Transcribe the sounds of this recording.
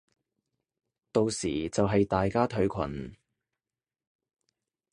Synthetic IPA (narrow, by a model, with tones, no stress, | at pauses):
t̪o˨˧wsiː˨˩t͡sɐ˨wɦɐ˨jt̪aː˨jkaː˥t̪ʰɵ˧˥ɥkʷʰɐ̰˨˩n